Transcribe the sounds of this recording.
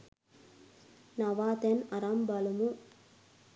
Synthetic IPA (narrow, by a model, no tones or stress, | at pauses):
nɐʋaːt̪enɐɾambalumu